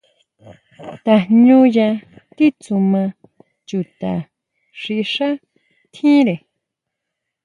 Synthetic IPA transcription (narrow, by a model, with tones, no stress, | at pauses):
t̪a˨ɲũ˦jã˧t̪i˦t͡su˧mã˧ | t͡ʃu˧t̪a˨ | ʂi˧ʂa˦ | t̪ʰĩ˦ɾe˨